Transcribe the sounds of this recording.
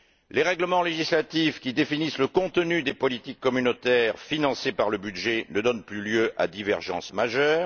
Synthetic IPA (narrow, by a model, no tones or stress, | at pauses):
leʁɛɡləmɑ̃leʒislat̪ifkʲid̪efinisləkɔ̃t̪ənyd̪epɔlit̪ikːɔmynot̪ɛʁfinɑ̃sepaʁləbyd̪ʒenəd̪ɔnplyljøʔa̰d̪ivɛʁʒɑ̰̃smaʒœːʁ